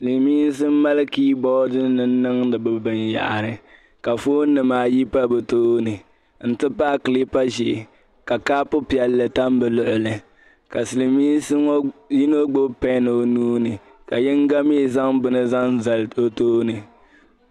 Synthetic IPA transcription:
sli˨miː˦n˦s̬ɨ˦m˦ma˦lɨ˦kiː˦bɔ˦dɨ˦nɨ˦n˦nɨ˦ŋdɨ˨bɨ˨bɨ˨nja̰˨ʔa˨ɾɨ˨ | ka˨foː˦nɨ˨maː˨˦ji˦pa˦bɨ˨toː˦nɨ˨ | n̩˦tɨ˦paː˦kɨ˨li˦pa˦ʒɪ˨ʔ | ka˨kaː˦pʊ˦pi˨ɛ˨lːɨ˨ta˦m˦bɨ˨lʊ˨ʔʊ˨lɨ˨ | ka˨sɨ˨lɨ˨miː˦n˦sŋ˦ji˦no˦ɡ͡bo˦pɛ˦nɨ˨o˨nuː˦nɨ˨ | ka˨jɛ˦ŋ˦ɡa˦me˦˨za˦ŋbɨ˦nɨ˦za˦n˦za˨lo˦toː˦nɨ˨

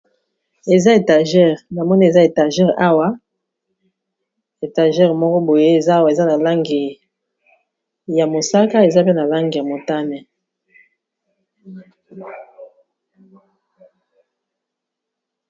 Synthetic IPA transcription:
e˨za˦e˨ta˨ʒɛ˦ʁna˨mɔ˦ni˦e˨za˦e˨ta˨ʒɛ˦ʁa˦wa˦ | e˨ta˨ʒɛ˦ʁmɔ˦kɔ˦bo˨je˦e˨za˦wa˨e˨za˦na˨la˦ŋɡi˨ | ja˨mo˨sa˦ka˦e˨za˦pe˦na˨la˦ŋɡi˨ja˨mo˨ta˦nɛ˨

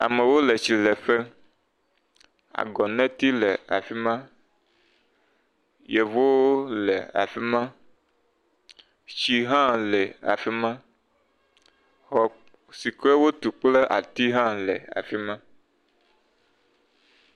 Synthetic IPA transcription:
a̰˨mẽ˨wo˦le˨t͡ɕi˨le˨ɸe˦ | a̰˨ɡɔ˨nɛ̃˦t̪i˦lɛ˨a̰˨fi˦mã˦ | je˨vo˦le˨a̰˨fi˦mã˦ | t͡ʃi˦ɦã˦lɛ˨a̰˨fi˦mã˦ | hɔ˨ | si˨kɾe˦wo˦t̪u˨k͡ple˦ʔa̰˨t̪i˦ɦã˦lḛ˨a̰˨fi˦mã˦

